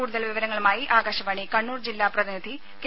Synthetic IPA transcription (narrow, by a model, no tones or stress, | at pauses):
uːɽuðɐlʋiʋɐɾɐŋːɐɭumaːjiʔaːɡɐɕɐʋɐːɳikɐɳːuːrd͡ʑilːaːprɐðinɐd̪ʱi | ke